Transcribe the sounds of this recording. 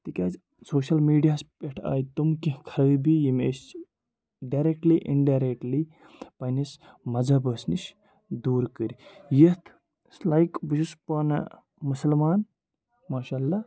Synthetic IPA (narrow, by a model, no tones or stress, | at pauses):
t̪ikʲaːd͡ʒ | soːʃɐlmiːɖijaːspeʈʰa̰ːjt̪umkikʰɐɾɐbijimḛst͡ʃ | ɖaɾek̚ʈliʔiɳɖaɾek̚ʈli | pɐjnis | mɐd͡zɐbəsniʃ | d̪uːɾkəɾijit̪ʰ | slajkbiʃispɐn | musɐlmaːn | maːʃaːlːa